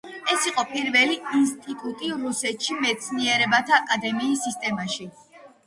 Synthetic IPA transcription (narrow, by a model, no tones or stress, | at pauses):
ɛsiqʼɔpʼiɾvɛliinst̪ʼit̪ʼut̪ʼiɾusɛt̪ʃimɛt̪sʰniɛɾɛbat̪ʰaːkʼad̪ɛmiːsːist̪ʼɛmaʃi